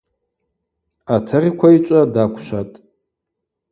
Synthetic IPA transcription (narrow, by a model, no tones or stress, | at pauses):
atʰarʲikʷʰait͡ʃʷʼadakʷʰʃʷatʼ